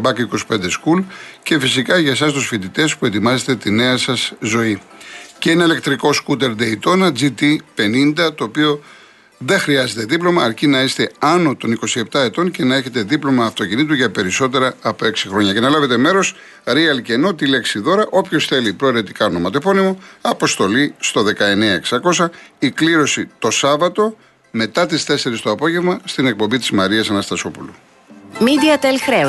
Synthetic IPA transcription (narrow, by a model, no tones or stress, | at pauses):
bɐkiko̞si̥pe̞nd̪e̞skulce̞fisikɐʝɐsɐs̬t̪usfit̪it̪e̞spue̞t̪imɐze̞t̪e̞t̪ine̞ɐsɐszo̞iceineile̞kt̪ɾiko̞skut̪̬e̞ɾd̪eit̪o̞nɐd͡zit̪ipe̞nind̪ɐt̪o̞ːpio̞ | ðe̞xɾiɐze̞t̪e̞ðiplo̞mɐːɾcinɐest̪e̞ɐno̞t̪o̞niko̞sie̞p̚t̪ɐe̞t̪o̞nce̞nɐe̞çe̞t̪e̞ðiplo̞mɐːft̪o̞cinit̪̬uʝɐpe̞ɾiso̞t̪e̞ɾɐːpo̞e̞ksixɾo̞ɲɐce̞nɐlɐve̞t̪e̞me̞ɾo̞s | ɾiɐlce̞not̪ile̞ksiðo̞ɾɐʔo̞pço̞sθe̞lipɾo̞iɾe̞t̪i̥kɐono̞mɐt̪o̞po̞nimoɐpo̞st̪o̞list̪o̞ðe̞kɐe̞neɐeksɐko̞sɐikliɾo̞sit̪o̞sɐvɐt̪o̞ | me̞t̪ɐt̪ist̪e̞se̞ɾist̪oɐpo̞ʝe̞vmɐst̪ine̞k̚po̞mbit̪izmɐɾiɐsɐnɐst̪ɐso̞pulu | mid̪iɐt̪elxɾe